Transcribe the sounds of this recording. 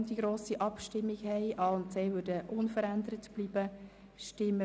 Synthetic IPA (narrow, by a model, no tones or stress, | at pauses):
ndiɡɾoːsiʔɑpʃtɪmːiɡhɛɪʔɑːʊntsɛːʋødəʔʊnfəɾænd̪əɾətb̥liːb̥ə | ʃtɪmːə